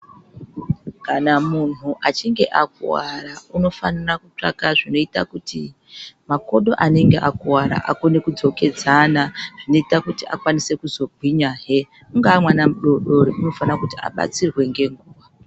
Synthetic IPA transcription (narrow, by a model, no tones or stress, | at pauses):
kanamun̤uʔat͡ʃiŋɡe̞ʔak̚ṵwaɾauno̞fanirakut͡ʂa̰kaʐino̞ita̰kuti | mako̞ɗo̞ʔane̞ŋɡe̞̰ʔakuwaɾa̰ʔa̰konekud͡zo̞ke̞d͡zanaʐ̥ino̞itakutia̰kwanise̞kuzo̞bʱwiɲaːɦe | uŋɡaːmwanamuɗo̞ɗo̞ɾeuno̞fanirakutia̰ɓa̰t͡sirwe̞ŋɡe̞ŋɡuːʋa